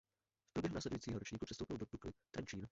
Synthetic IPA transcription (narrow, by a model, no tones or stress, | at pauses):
fpɾobjɛɦnaːslɛdujiːt͡siːɦoɾot͡ʃɲiːkupr̥ɛst̪owpɪldot̪uklɪt̪ant͡ʃiːn